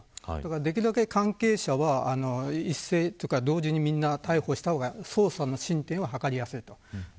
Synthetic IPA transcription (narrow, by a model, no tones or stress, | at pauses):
d̪akaɾad̪e̞kʲiɾɯ̟d̪ake̞kʰãŋke̞ːɕaβaːno̞isːe̞ːt̪okad̪o̞ːʑiɲ̟imʲĩnːat̪aiho̞ːɕi̥t̪ahoːɡaso̞ːsano̞ɕĩnt̪ẽɰ̃βahakaɾʲijasɨit̪o̞